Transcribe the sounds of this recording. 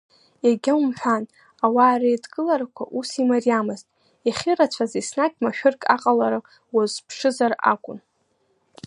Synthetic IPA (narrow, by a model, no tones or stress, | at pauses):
jaɡʲaumħʷᶣan | awaːɾajdɡʼɨlaɾakʷʰa̰ʔusimariamɨztʼ | aχʲɪɾat͡ɕʷʰazisnakʲʼmaʃᶣʊrkʼaqʼalaɾaq | wazpʰʂɨzara̰kʷʼʊn